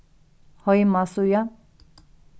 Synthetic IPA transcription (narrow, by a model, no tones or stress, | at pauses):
hʌjmasuja